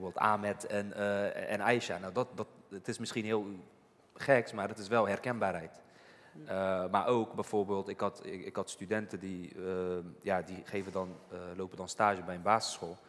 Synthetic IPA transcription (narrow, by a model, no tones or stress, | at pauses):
ɹbeːlˠta̰ːmɛtɛnɛ̰nɛjʃa̰nawdɔt̚dɔtətɪsmɪsχinɦɪːlˠ | χɛksmaːrətɪsʋɛlˠɦɛrkɛnbaːrɦɛjt | əma̰ːɹʔowkbɛjv̥oːɹbeːlˠtɪkɑtɪkhɑtstydɛntədiəjadiχeːvədɔnlowpədɔnstaːʒəbɛjənbaːzəsχoːlˠ